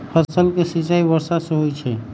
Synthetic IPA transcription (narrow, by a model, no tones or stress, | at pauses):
pʰəsəlkesit͡ʃaibəɾsasẽɦojt͡ʃʰɛ